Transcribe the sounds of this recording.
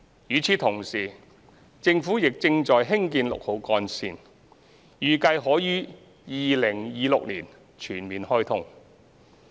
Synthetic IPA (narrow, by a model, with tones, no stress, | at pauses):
jyː˨˧t͡sʰiː˨˧˥t̪ʰʊ˨˩ŋsiː˨˩ | t͡sɪ˧ŋfuː˨˥jɪ˨k̚t͡sɪ˧ŋt͡sɔː˨jɦɪ˥ŋkiː˧nlʊ̰˨k̚ho˨˥wkɔː˧nsiː˨˧n | jyː˨˩kɐ˧jɦɔː˨˥ɥyː˥ | jiː˨lɪ˨˩ŋjiː˨˧lʊ˨k̚liː˨˩n | t͡ʃʰyː˨˩nmiː˨nhɔː˥jt̪ʰʊ˥ŋ